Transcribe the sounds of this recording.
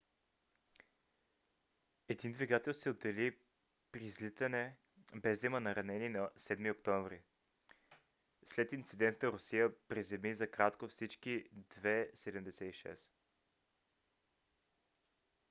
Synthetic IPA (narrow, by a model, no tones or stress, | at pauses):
ɛd̪ind̪viɡat̪ɛlˠsɛod̪ɛli | pɾizlit̪ənɛ | bɛzd̪imənɐɾɐnɛninɐsɛd̪miokt̪ɔɱvɾi | slɛt̪int̪sid̪ɛnt̪nəɾʊsijəpɾizɛmizɐkɾat̪kofsit͡ʃkid̪vɛsɛd̪əmd̪ɛsɛiʃɛ̰s